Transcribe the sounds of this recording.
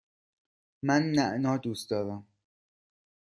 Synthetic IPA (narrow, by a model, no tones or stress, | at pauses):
mænːæʔnɒːd̪uːst̪d̪ɒːɾæm